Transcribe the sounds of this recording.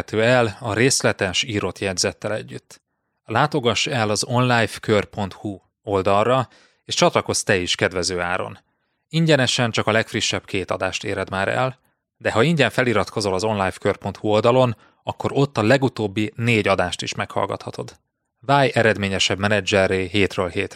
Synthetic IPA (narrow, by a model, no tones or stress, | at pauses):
t̪øːɛlɒɾeːslɛt̪ɛʃiːɾo̞t̪jɛdzɛt̪ːɛlɛɟːyt̪ː | laːt̪o̞ɡɒʃːɛlɒzo̞nlaːjfkørpo̞nt̪hu | o̞ld̪ɒlrɒ | eːʃt͡ʃɒt̪lɒko̞st̪ɛiʃkɛd̪ʋɛzøːaːɾo̞̰n | iɲɟɛnɛʃɛnt͡ʃɒkɒlɛkfriʃːɛbkʰeːt̪ɒ̰d̪aːʃt̪ḛːɾɛd̪maːɾɛ̰l | d̪ɛɦɒiɲɟɛɱfɛliɾɒt̪ko̞zo̞lɒzo̞nlaːjfkørpo̞nt̪huo̞ld̪ɒlo̞n | ɒkːo̞ɾo̞t̪ːɒlɛɡut̪oːbːineːɟɒd̪aːʃt̪iʃmɛkhɒ̰lɡɒ̰t̪hɒt̪o̞d̪ | vaːjɛɾɛd̪meːɲɛʃɛbmɛnɛd͡ʒɛrːeːɦeːt̪røːlheːt̪